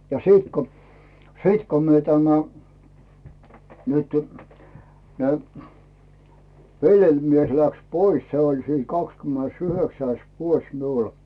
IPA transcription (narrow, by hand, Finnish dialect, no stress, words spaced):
jɑ siːt ko siːt ko myø tæmæ nytẙ ne ʋelʲjelʲmies læks pois se olʲ siːn kɑkskymːenesyhøksæis ʋuos miul